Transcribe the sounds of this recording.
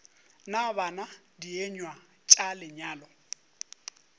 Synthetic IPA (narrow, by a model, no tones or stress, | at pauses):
nabana | dieɲwa | t͡ʃʼalɪɲaːlɔ